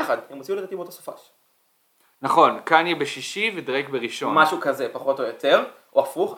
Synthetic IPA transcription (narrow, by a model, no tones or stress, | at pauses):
aχad̪hemot͡siuled̪at̪ibot̪aso̥fa̰ʃ | naχo̞nkanjɛbeʃiʃived̪ʁekbeʁiʃo̞nmaʃukazepaχo̞tojot̪eʁ | ʔoafuχ